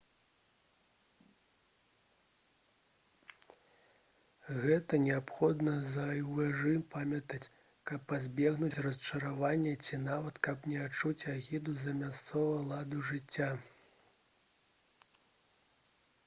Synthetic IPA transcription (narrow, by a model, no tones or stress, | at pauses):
ɣɛt̪ɐnʲɛapxɔd̪nɐzɐjwɛʐɨmpamʲɐt̪ɐt͡sʲ | kɐpːazʲbʲɛɣnut͡sʲrɐst͡ʂɐɾavanʲːɛt͡sʲinavɐt̪kɐpnʲɛat͡ʂut͡sʲaɣʲid̪uzɐmʲast̪sɔvɐlˠad̪uʐɨt͡sʲːa